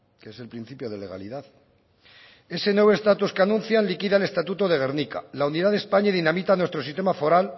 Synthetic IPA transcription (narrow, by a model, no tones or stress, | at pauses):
keese̞lpɾin̟θipjo̞ðe̞le̞ɣ̞a̰liðað | e̞se̞nwe̞βst̪at̪uskeanũn̟θjanlikiðaele̞st̪at̪ut̪oðe̞ɣ̞e̞ɾnika̰launiðaðe̞spaɲaiðinamit̪anwest̪ɾo̞sist̪emafo̞ɾal